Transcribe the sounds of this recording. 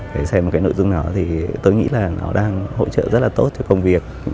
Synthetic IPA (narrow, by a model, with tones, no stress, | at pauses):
t̪ʰe˨˩˦sɛ˧mo˨˩kaː˨˦jno̰˧˨jzʊ˧ŋ͡mnɔ˨˦t̪ʰi˨˩t̪o˧jŋḭ˧˥laː˨˩nɔ̰˨˦ɗaː˧ŋho̰˧˨t͡ɕə̰ː˧˨zə˦˥t̚laː˨˩t̪o˦˥t̚tʰkə˧wŋ͡mvi˨˩ək̚